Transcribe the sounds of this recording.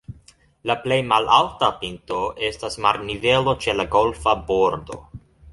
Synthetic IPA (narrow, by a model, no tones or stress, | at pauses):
laple̞jmalʔaltapinto̞ʔe̞stasmaɾnive̞lo̞t͡ʃe̞laɡo̞lfabo̞ɾdo̞̰